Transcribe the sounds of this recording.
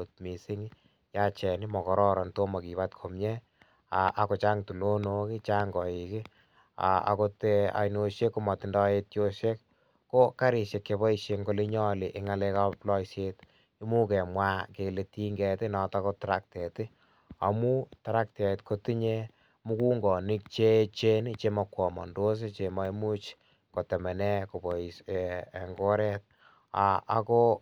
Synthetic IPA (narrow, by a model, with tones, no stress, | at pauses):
o˨t̚mi˨si˦ŋ | ja˦t͡ʃɛ˨ni˦mɔ˨kɔ˨ɾɔ˦ɾɔ˨nto˦ma˨ki˨βa˦tkʰo˨mɲɛ˦ | a̰˨ʔa˨ko˨t͡ʃa˦ŋtu˨lo˦no˦ki˦t͡ʃa˦ŋɡɔ˨i˨ki˦ | a̰˨a̰˨ko˧te˧a̰˨jno˧ʃe˦kːo˦mɔ˨ti˨ndɔ˦je˧tjo˦ʃe˦kː | o˦ka˦ɾi˨ʃe˨kːe˧bɔ˦iʃeŋɡo˧le˦ɲɔ˦le˨ʔɪ˦ŋa˨le˧ka˦plɔ˦iʃet | i˦mu˦kɛ˨mwa˦ke˨le˨ti˦ŋɡɛ˨ti˦nɔ˨ta˦ko˦taɾa̰˦k̚te˨ti˦ | a̰˨mu˦taɾa˦k̚ta˨e˨tkʰoti˦ɲe˦ | mu˦ku˦ŋɡɔ˨ni˦k̚t͡ʃe˦t͡ʃe˦ni˦t͡ʃe˧mɔkwɔ˨mɔ̰˨ndo˦s̬e˦t͡ʃe˨ma˦i˦mu˦t͡ʃ | ko˨tɛ˨mɛ˨nɛ˦ko˨bɔ˨i˨se˨ŋɡo˦ɾɛt̚ | a̰˨a˦ko˦